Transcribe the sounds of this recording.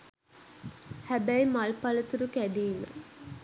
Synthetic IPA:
hæbæjmalpɐlət̪uɾukæd̪iːmə̰

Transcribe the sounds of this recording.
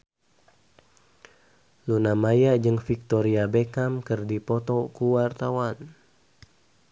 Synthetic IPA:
lunamajad͡ʒɨŋfik̚t̪ɔɾiabekamkɨrdipɔt̪ɔkuwart̪awan

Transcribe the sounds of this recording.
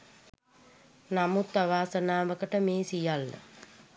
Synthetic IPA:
namut̪ːaʋaːsənaːʋəkəʈəmeːsijalːə̰

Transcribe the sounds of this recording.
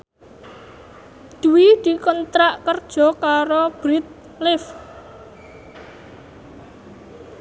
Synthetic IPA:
d̪̥uwid̪̥i̤kənt̪ɾaʔkərd̥ʒ̥ɔ̤kaɾob̥ɾɪt̪̚ | lɪf

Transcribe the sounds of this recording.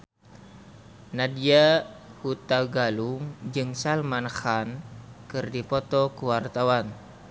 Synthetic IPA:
nadiahut̪aɡaluŋd͡ʒɨŋsalmanxankɨrdipɔt̪ɔkuwart̪awan

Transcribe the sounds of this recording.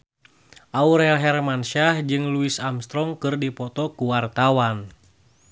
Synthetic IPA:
ʔauɾɛlɦɛrmanʃahd͡ʒɨŋluisamst̪ɾɔŋkɨrdipɔt̪ɔkuwart̪awan

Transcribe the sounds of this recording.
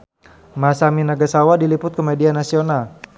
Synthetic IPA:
masaminaɡasawadilipʊt̪̚komedianasional

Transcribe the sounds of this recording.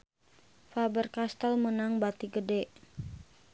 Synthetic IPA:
fabərkast̪əlmənaŋbat̪iɡədɛʔ

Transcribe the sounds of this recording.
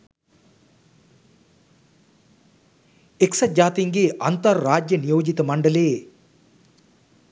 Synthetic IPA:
eksɐdd͡ʒaːt̪iŋɡeːʔɐnt̪ɐɾːaːd͡ʒjənijoːd͡ʒit̪əmɐɳɖɐleː

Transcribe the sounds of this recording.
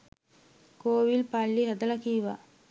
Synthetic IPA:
koːʋilpalːiɦɐd̪ɐlɐkiːʋa

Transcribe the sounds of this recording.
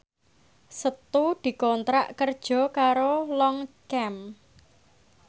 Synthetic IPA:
sət̪ud̪̥i̤kɔnt̪ɾaʔkərd̥ʒ̥ɔ̤kaɾolɔŋkɛm

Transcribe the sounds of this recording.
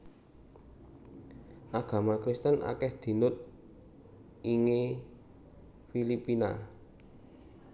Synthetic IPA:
ʔaɡ̥ä̤makɾist̪əna̰kɛhd̪̥i̤nʊt̪̚ | iŋe | filipina

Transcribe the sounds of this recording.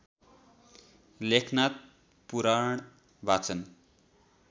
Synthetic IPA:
lekʰnat̪̚ | puɾaɳ̃ | bʱat͡sʰʌn

